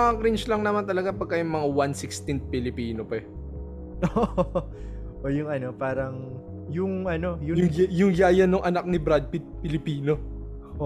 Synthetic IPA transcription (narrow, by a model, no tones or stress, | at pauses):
ɐɐkɾint͡ʃlɐŋnɐmant̪ɐlɐɡapɐɡ̚kːɐjʊŋmɐŋawansɪkst̪ɪnt̪̚pɪlɪpiːnopɛ | ʔo | ʔojʊŋɐno̞paːɾɐŋ | jʊŋʔɐnojʊjʊŋjʊŋjaːjɐnːoŋʔɐnak̚nɪbɾad̪̚pɪt̪̚pɪlɪpiːno